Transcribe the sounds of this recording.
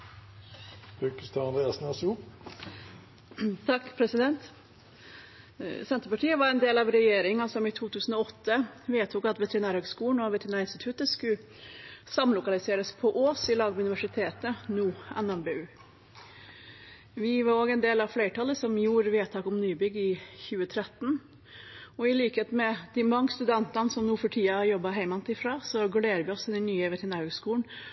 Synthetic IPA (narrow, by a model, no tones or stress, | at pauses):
bʉkəst̪ʰɑnɛsnɑsu | t̪ʰɑkːpʰɾɛsɪd̪ɛnt̪ | sɛnt̪ɾpɑʈʰiːəʋɑɾɛnd̪eːlɑʋɾɛjeːɾɪŋɑsɔmɪt̪ʰuːt̪ʰʉːsn̩ɔɔt̪ːəʋeːt̪ʰʊkɑt̪ʋɛt̪ɾɪnæːɾhœːɡskuːɳnɔʋɛt̪ʰɾɪnæːɾɪnst̪ɪt̪ʰʉt̪əskʉ | sɑmlʊkɑlɪseːɾəspʰɔʔoːsɪlɑːɡmʉnɪʋæʂɪt̪ʰeːt̪ənuːɛnɛmbeːʉː | ʋɪʋɑɾoːɡɛnd̪eːlɑʋfleɪʈʰɑlːəsɔmjuːɾʋeːt̪ʰɑːkʊmnyːbʏɡːɪçʉːət̪ʰɾɛt̪ːn | ɔɪliːkheːt̪mɛd̪̥ɪmɑŋːəst̪ʉd̪ɛnt̪ɑnəsɔmnuːfɔʈʰiːɑɑjɔbɑɦæɪmɑmt̪ɪfɾɑːsɔɡʉleːɾəʋɪɔsɛnɛnyːəʋɛt̪əɾɪnæːɾhøɡskuːlɳ̩